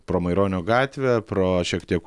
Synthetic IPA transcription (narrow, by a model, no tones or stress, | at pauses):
pɾoːmɐɪɾoːnʲoːɡɑːt̪ʲʋʲepɾoːʃʲiɛkt̪ʲiɛk